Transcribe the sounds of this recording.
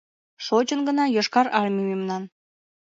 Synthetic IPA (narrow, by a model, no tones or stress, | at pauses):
ʃot͡ɕənɡənɑjɤʃkɑɾɑlʲmymemnɑn